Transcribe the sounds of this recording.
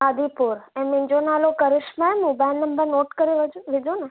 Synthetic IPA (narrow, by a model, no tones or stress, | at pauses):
ad̪ʱipuɾemɪɲd͡ʒonalokəɾɪʃmãemũbɛ̃nnəmbəɾnoʈkəɾiʋəd͡ʒũʋid͡ʒone